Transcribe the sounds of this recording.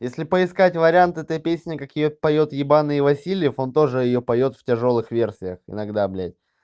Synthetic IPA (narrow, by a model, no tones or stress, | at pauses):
jesʲlʲɪpəɪskatʲvəɾʲɪant̪ɛt̪əjpʲesʲnʲɪkakjɪjopɐjo̞t̪jɪbanɨɪvɐsʲilʲɪjəfo̞nt̪o̞ʐɨjɪjopɐjo̞t̪ftʲɪʐo̞lˠɨxvʲe̞rsʲɪjəxɪ̰nɐɡd̪ablʲætʲ